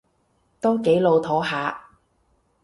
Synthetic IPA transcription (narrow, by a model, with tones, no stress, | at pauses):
t̪ɔː˥ŋke˨˥jlo˨˧wt̪ʰɔː˨˥ɦaː˨˧